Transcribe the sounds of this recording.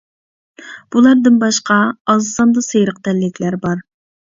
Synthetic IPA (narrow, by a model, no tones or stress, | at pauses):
b̥ulˠɑɾd̪ɨnbɑʃqʰɑɑzsɑnd̪ɑsejɾəq̚d̪ɛlːɪkʲʰlæɾbɑɾ